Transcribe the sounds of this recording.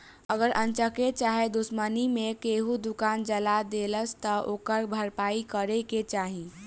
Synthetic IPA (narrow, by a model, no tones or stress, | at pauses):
əɡəɾʔə̃nt͡ʃəket͡ʃaːɦed̪usmənimẽkeɦud̪ʊkaːnd͡ʒəlad̪eːləst̪əʔoːkəɾbʱəɾpaːikəɾeket͡ʃaːɦi